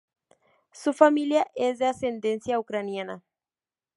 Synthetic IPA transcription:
sufamiljaʔezðeasend̪ẽnsjaukɾanjana

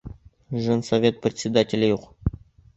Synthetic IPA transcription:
ʐɤnsɐvʲe̞t̪̚prʲɪt̪ʲsʲɪd̪atʲɪlʲɪjuq

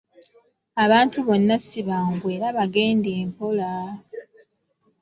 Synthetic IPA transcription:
aβaːntuβo̞nːasiβaŋɡwe̞ːɾaβaɡe̞ːndeːmpo̞la

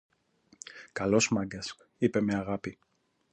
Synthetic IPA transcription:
kɐlosmɐɡɐsk | ipe̞meɐɣapi

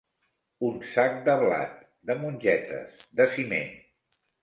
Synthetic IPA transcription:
unsak̚d̪əβla̰t̪̚ | d̪əmunʲʒɛt̪ə̰sd̪əsimḛ

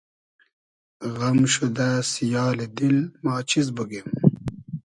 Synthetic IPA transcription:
ɣɐmɕud̪asijaːled̪ilmaːt͡ɕʰizbuɡem

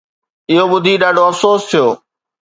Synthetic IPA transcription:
ɪɦoɓʊd̪ʱiɗaːɖʱoɐfsoːst̪ʰijoː

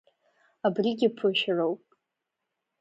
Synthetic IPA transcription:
abriɡʲɪpʰʊʃrowpʼ

